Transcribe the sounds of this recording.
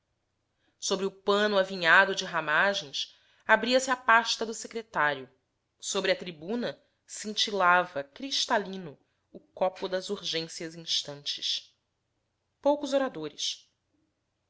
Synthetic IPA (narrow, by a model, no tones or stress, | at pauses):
sobɾɪʊpɐ̃nʊaviɲad̪ʊd͡ʒɪɦamaʒẽj̃s | abɾiɐsɪapaʃt̪ɐd̪ʊsekɾet̪aɾjʊ | sobɾɪɐt̪ɾibũnɐ | sĩŋt͡ʃilavɐkɾiʃt̪alĩnʊː | kɔpʊd̪ɐzuɾʒẽsjɐzĩʃt̪ɐ̃nt͡ʃɪ̥s | powkʊzoɾad̪oɾɪs